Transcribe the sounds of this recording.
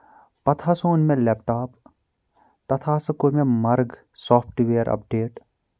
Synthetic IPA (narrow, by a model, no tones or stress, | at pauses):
pɐt̪ʰasoːnmẽleːp̚ʈaːp | t̪ɐt̪ʰaːsɐkoɾmẽmɐɾɡ | sɔːpʰʈʋeːɾʔɐ̰p̚ɖeːʈ